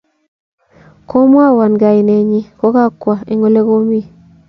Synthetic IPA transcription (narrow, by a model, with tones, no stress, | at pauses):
ko˦mwa˦wa˨nɡa˨i˨ne˨ɲi˦ko˦ka˦kwa˨i˨ŋo˦le˦ɡo˦mi˦˨